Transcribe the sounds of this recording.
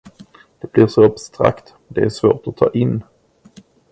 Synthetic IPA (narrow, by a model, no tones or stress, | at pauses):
d̪̥ɛb̥lɪɾʂɔabst̪ɾa̰kt̪mnd̪ɛæɾʂvoːʈɔt̪ʰːɑ̰ːʔɪnː